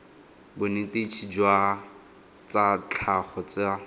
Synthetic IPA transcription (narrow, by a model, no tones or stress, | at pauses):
bʊnɪtet͡ʃʰid͡ʒwa | t͡sat͡ɬʰaχɔt͡sɪa